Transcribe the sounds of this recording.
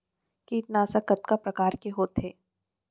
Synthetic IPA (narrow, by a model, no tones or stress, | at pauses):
kiːʈnaːsakət̪kapɾɐkaːɾkeɦoːt̪ɦeː